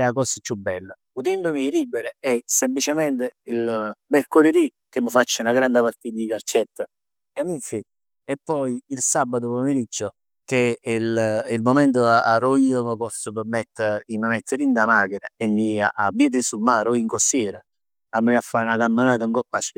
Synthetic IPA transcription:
ɛakɔsət͡ʃːubːɛlːə | ud̪ɛnd̪omiːɾibːeɾeɛsemplit͡ʃemɛnt̪eilmeɾkoled̪i | keməfat͡ʃːaunaɡɾand̪ɪpaɾt̪it̪ad̪ikaɾt͡ʃːɛt̪ːə | amiɱfi | epːɔjiilsabːat̪opomeɾid͡ʒːo | kelilmomɛnt̪̬oaaroiːoməkɔst̪əpəmːɛt̪ːəiməmet̪ʰːeɾind̪amaːkeɾaemːia̰ʔabiːt̪̬sumaːɾoiŋkost̪jɛːɾa | amːeafːaunakamːanaːt̪̬uŋkɔpːaskə

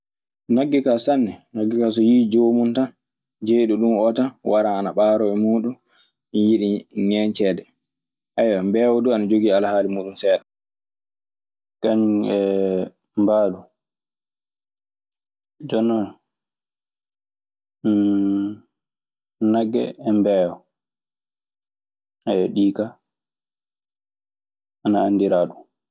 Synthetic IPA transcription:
naɡːɛkasanːɛnaɡːɛkas̬ɔjid͡ʒoːmuntan | d͡ʒeɗuɗumɔtawʔaɾaːnaɓaːɾɔɛmuːɗun | njiɗiŋɛɲt͡ʃɛːdɛ | ʔajwambɛːwɔduanad͡ʒoɡiːalhaːlimuːɗunsɛːɗa | kaɲɛ | mbaːɗu | d͡ʒɔnːɔn | naɡːɛ̰ːmbɛwɔ | ajɔɗiːka | anaandiɾaːɗu

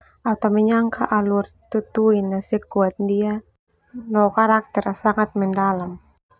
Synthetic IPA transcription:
at̪awmɛɲaŋkaʔalurt̪ut̪uinːasɛkuat̪̚dia | nɔkaɾak̚t̪ɛɾasaŋat̪̚mɛndalam

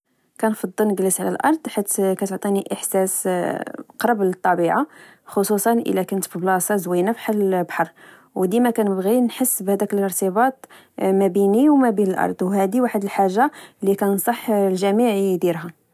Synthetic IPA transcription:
kænfɑd̪ˤːəlnəɡləsʕlælʔɑ̰ɾˤd̪ˤħit̪kæt̪ʊʕt̪ˤiniʔəħsæs | qɾˤɑbələt̪ˤːɑbiʕaxosˤusˤɑnʔə̰lækʊnt̪bəblɑsˤɑzwinəfħalbħɑɾˤ | wd̪imækænəbɣinħəsːbhæd̪ækələɾt̪əbɑt̪ˤ | mæbiniwmæbinəlʔɑ̰ɾˤd̪ˤwhæd̪iwaħəd̪əlħaʒːalːikænsˤɑħlʒæmiʕid̪iɾɦæ

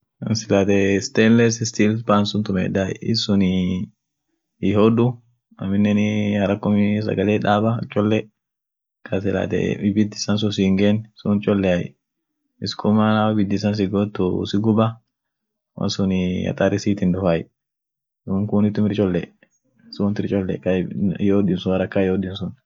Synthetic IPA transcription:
ɐnsɪlaːt̪ɛst̪eːnlɛsɪst̪iːlpaːnsʊnt̪ʊmɛ̰daj̰ɪ̰sʊnɪ | ɪɦɔd̪ʊ | ɐmɪnːɛnɪhɐɾɐkːɔmɪs̬ɐ̰ɡɐleːᶑaːbɐ̰t͡ʃʼːɔlːɛ | kʰɐsɪla̰ːt̪ɛ̰ɪbɪd̪ɪ̥sɐns̬ʊs̬ɪŋɡensʊnt͡ʃʼɔlːɛaj̰ | ɪskʰʼʊmanabɪd̪ːɪs̬ɐns̬ɪɡoːt̪ːʊsɪɡʊbɐ | wɐ̰nsʊnɪɐ̰t̪ʼaɾɪsiːt̪ɪnd̪ɔfaj | ŋkʊnɪt̪ːʊmɪɾt͡ʃʼɔlːɛ̰ | sunt̪ɪɾt͡ʃʼɔlːɛ̰kɐɪhoːdɪnsʊɐɾɐkːaɪhɔdɪnsʊn

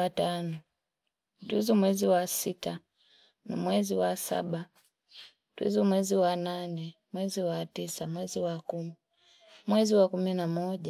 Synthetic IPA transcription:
atanɔ | twizumwɛziwasita | nḭmwɛziwasa̰ɓa | twḭzumwɛziwananɛ | mwɛziwatisamwɛziwakumi | mwɛziwakuminamɔʄa

